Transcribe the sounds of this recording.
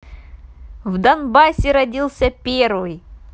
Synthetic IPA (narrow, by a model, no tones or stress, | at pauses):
vd̪ɐnbasʲɪɾɐdʲilˠsʲɐpʲervɨj